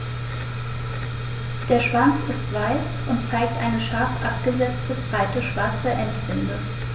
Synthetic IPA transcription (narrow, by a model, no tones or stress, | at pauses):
d̥eːɐʃv̥ant͡sɪstv̥aɪs | ʊntt͡saɪk̚tʔaɪnəʃaɐfʔap̚ɡ̥əzɛt͡stəbʁaɪtəʃv̥aɐt͡səʔɛntv̥ɪndə